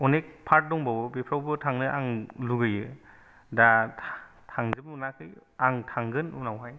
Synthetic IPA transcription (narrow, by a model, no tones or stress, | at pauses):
ɔnek̚pʰaɾt̚dɔŋbawɯbipʰɾawbɯtʰaŋnɯʔa̰ŋluɡɯjɯ | da | tʰaŋzɯp̚nakʰɯjaŋtʰaŋɡɯnunawɦaj